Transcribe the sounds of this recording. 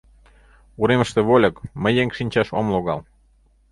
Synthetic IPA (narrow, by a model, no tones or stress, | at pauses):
uɾeməʃt̪ĕβolʲə̆kməjeŋʃinʲt͡ɕɑʃo̰mloɣɑl